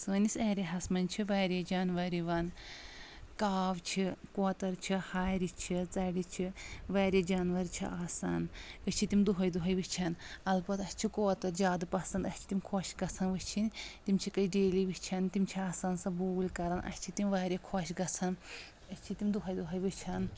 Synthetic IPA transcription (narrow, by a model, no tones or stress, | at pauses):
sɨːnisɐːɾiɦɐsmɐnʲt͡ʃʰiʋɐːɾʲed͡ʒaːnʋɐɾiʋɐn | kaːʋt͡ʃʰikoːt̪ɐɾt͡ʃʰihaːɾit͡ʃʰit͡sɐɽit͡ʃʰiʋɐːɾed͡ʒaːnʋɐɾt͡ʃʰḭʔaːsaːnɨt͡ʃʰit̪imd̪uɦɐjd̪uɦɐjʋit͡ʃʰɐnɐlbɐt̪ɐsʲt͡ʃʰikoːt̪ɐɾd͡ʒʲaːd̪pɐsɐnd̪ɐsʲt͡ʃʰi̥t̪imkʰoʃɡɐt͡sʰɐnʋɨt͡ʃʰint̪imʲt͡ʃʰikɐiɖeːliʋit͡ʃʰɐnt̪imʲt͡ʃʰiaːsaːnsɐbuːɡlʲkɐɾɐnʔɐ̰sʲt͡ʃʰit̪imʲʋaːɾʲekʰoʃɡɐt͡sʰɐn | ɐsʲt͡ʃʰit̪imd̪uɦɐjd̪uɦɐjʋɨt͡ʃʰɐn